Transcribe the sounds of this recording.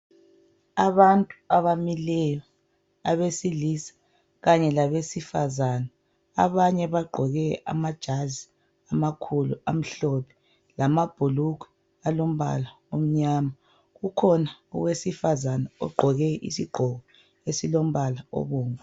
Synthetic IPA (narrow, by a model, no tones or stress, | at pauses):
aβantʼuaβamilɛjɔ | a̰βesilisḁ | ɣaɲɛlaβesifazana̰ː | βaɲɛβaɡ͡ǃʱɔɣɛa̰mad̥ʒ̥ʱazi | amakʰuluam̩ɬɔpʰɛ̥ | lamab̥ʱuluku̥ | alom̩βa̰la | om̩ɲama | ɣukʰɔnaṵwesifazanaɔ̰ɡ͡ǃʱɔɣɛʔḭsiɡ͡ǃʱɔɣɔ | esilom̩βalaɔ̰βɔːŋa